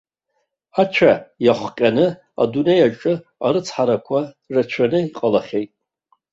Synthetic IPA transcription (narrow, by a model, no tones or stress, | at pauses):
at͡ʃʷʰajaχʷqʲʼanɨ | a̰dune̞jaʈ͡ʂʼɨ | a̰ɾɨt͡sʰħaɾakʷʰa | rat͡ʃʷʰanɨiqʼalaχʲe̞jtʼ